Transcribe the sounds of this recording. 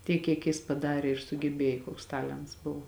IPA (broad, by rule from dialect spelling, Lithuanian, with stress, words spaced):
ˈtʲiɛk kʲiɛk ˈjɪs pɐˈdɑːrʲeː ɪr sʊɡʲɛˈbʲeːjoː ˈkoːks ˈtɑːlʲɛnts ˈbʊʋoː